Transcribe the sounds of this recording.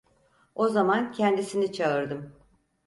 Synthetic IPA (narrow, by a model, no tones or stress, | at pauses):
o̞zamancʰɛnd̪isinit͡ʃʰaɯɾd̪ɯm